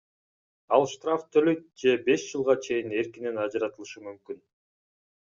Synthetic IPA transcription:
ɑlˠʃt̪raft̪ʰøløjkd͡ʒe̞be̞ʃd͡ʒɯlˠʁɑt͡ʃʰe̞jine̞ɾkinenɑd͡ʒɑɾɑt̪ɯlˠɯʃɯmymkyn

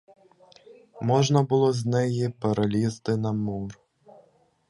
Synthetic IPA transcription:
mɔʐnɐbɨlˠɔzʲnɛjipɐɾɐlʲist̪ɨnɐmur

